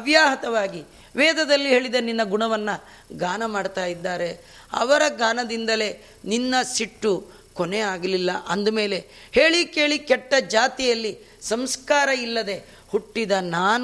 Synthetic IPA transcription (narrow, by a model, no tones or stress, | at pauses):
ɐbjaːɦɐt̪ɐʋaːɡi | ʋɛːd̪ɐd̪ɐlːiɦe̞ːɭid̪ɐninːɐɡuɳɐʋɐnːɐ | ɡaːnɐmaːɖt̪aːjid̪ːaːɾe | ɐ̰ʋɐɾɐɡaːnɐd̪ind̪ɐle̞ | ninːɐsiʈːu | koneaːɡɐlilːɐʔɐnd̪ume̞ːle̞ | he̞ːɭike̞ːɭikɛʈːɐd͡ʒaːt̪ijɐlːi | sɐmskaːɾɐilːɐd̪e̞ | huʈːid̪ɐnaːn